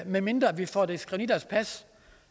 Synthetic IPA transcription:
meme̝nd̥ʁɐʋifɒ̰ːd̥esɡ̥ʁɛnid̥ɐspʰæs

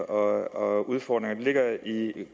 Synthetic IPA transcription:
ʔɒɒuð̞ˠfɒ̰ːd̥ʁeŋɐd̥ele̝ɡ̥ɐi

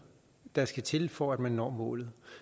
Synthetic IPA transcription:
d̥ɑ̈sɡ̥æt͡sʰe̝lfɒæd̥mænːɒ̰ːmɔ̰̽ːlð̞̩ˠ

